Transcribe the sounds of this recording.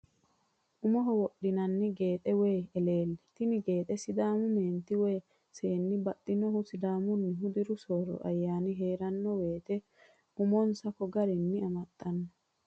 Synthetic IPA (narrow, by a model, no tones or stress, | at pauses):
ʔʊmɔɦɔwɔɗɪnɐnːɪɡe̞ːt̪ʼɛweːɛle̞ːlːɛ̥t̪ɪnɪɡe̞ːt̪ʼɛsɪd̪aːmʊmeːnt̪ɪweː | seːnːɪbɐt̪ʼːɪnɔhʊsɪd̪aːmʊnːɪɦʊd̪ɪɾʊsoːɾɔ̰ʔɐjːaːnɪɦeːɾɐnːɔweːt̪ɛ | ʊmɔnsɐkɔɡɐɾɪnːɪɐmɐt̪ʼːɐnːɐ